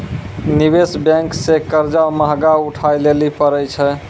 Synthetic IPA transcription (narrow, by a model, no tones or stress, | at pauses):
nibesbɛ̃ŋksekəɾd͡ʒaməɦɡauʈʰajlelipəɾəjt͡ʃʰɛ